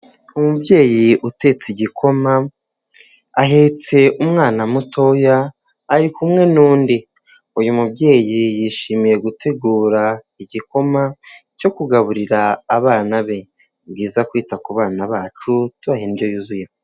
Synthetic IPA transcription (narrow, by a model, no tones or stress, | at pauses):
umubɟe̞ːjiʔute̞t͡siɟikʰo̞ma | aɦet͡se̞ʔumŋaːnamuto̞jaː | ɾikumŋe̞nuːndi | ujumubɟe̞ːjijiʃiːmiɾe̞ɡutʰe̞ɡuːɾa | iɟiko̞maco̞kuɡaβuɾiɾaːβaːnaβe̞ | bɡiːzakwiːtakuβaːnaβaːt͡ʃutuβahenibɟo̞juzuje